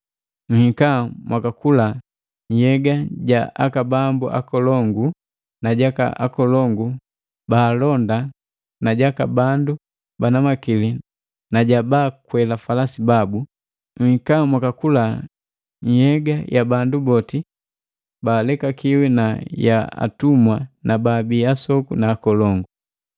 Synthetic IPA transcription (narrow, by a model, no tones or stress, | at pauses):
ŋ̩hikamwʔakakula | ɲ̩hɛɡaɟaʔakabambuʔa̰kɔlɔŋɡu | naɟaka̰ʔa̰kɔlɔŋɡu | baːlɔnda | naɟakabandu | banamakili | naɟabaːkwɛlafalasibabu | ŋ̩kamwakakula | ɲ̩hɛɡajʔabandubɔti | baːlɛkakiwinaja̰a̰tumwanababiasɔkunaːkɔlɔŋɡu